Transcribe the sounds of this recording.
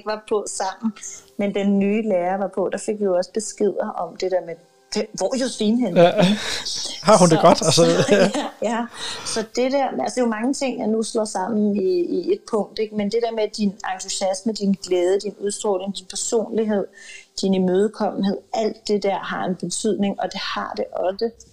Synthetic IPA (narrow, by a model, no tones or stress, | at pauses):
ɡ̥ʋɑ̈pʰɒ̽sɑ̈m̰n̩mend̥enːyːleːɐʋɑ̈pʰɔ̽d̥ɑ̈feɡ̥ʋioɒ̽səb̥e̝sɡ̥e̝ð̰ˠɐʔɒ̽md̥e̝d̥eɐme̥ | eʋɒ̰jo̝sʋiːnɦen | hɑ̈hund̥eɡ̥ɒd̥æs | jæsɒ̽d̥e̝d̥æɐ̰ælseomɑ̈ŋət͡sʰe̝ŋ̰jɑ̈nuslɒ̰sɑ̈m̰n̩iːe̝d̥̚pʰɔ̽ŋ̰d̥e̝ɡ̥mend̥e̝d̥eɐ̰med̥inɑ̈ŋt͡sʰuɕæsməd̥inɡ̥lɛːð̞ˠəd̥inuðˠsd̥ʁɔ̰ːle̝ŋd̥inpʰæɐso̝̰ːnliɦe̝ð̰ˠd̥inmøːð̞ˠkʰɒm̰n̩ɦe̝ð̰ˠæl̰d̥ːe̝d̥æɐ̰ɦɑ̈e̝nb̥e̝t͡sʰyð̰ˠne̝ŋɒ̽d̥e̝hɑ̈d̥e̝ʔɒ̽sə